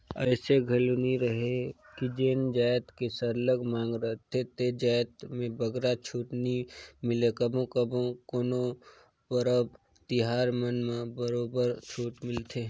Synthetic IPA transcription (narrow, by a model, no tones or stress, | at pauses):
ɐɪseɡʱɐluniɾəɦekid͡ʒeːnd͡ʒaːjt̪kesəɾləɡmãːŋɡɾəɦt̪ʰet̪ed͡ʒaːjt̪mẽbəɡɾat͡ʃʰuːʈnimɪlekɐbõkəbõkoːno | bəɾəb | t̪ɪɦaːɾmənmẽbəɾoːbəɾt͡ʃʰoːʈmɪlt̪ʰe